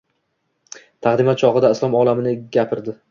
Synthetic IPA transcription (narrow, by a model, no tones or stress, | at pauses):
t̪ʰaʁd̪ɪmat̪̚t͡ʃʰɒʁɨd̪aɪslˠɒmɒlˠamɪnɪɡʲapʰɪɾd̪ɪ